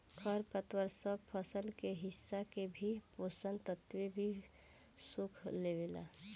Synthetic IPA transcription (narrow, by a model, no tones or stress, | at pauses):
kʰəɾpət̪wəɾsəbpʰəsəlkeɦɪsːakebʱiposənt̪ət̪webʱi | sʊkʰlewela̰